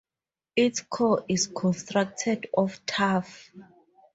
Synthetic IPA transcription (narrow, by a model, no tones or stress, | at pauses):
itkʰɔʔiskʰɔ̃nstɹak̚tʰɛdɔftʰaf